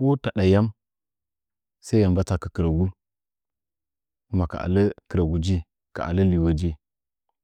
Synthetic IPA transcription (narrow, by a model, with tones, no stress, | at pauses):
o˦ta˨ɗa˨ja˦m | sa˦i˦ja˨mba˦t͡sa˨kə˨kə˨ɾa˨ɡu˦ | ku˦ma˨ka̰˨ʔa̰˨lə˦kə˨ɾa˨ɡu˨d͡ʒi˦ | ka̰˨ʔa̰˨lə˦li˨wa˦d͡ʒi˦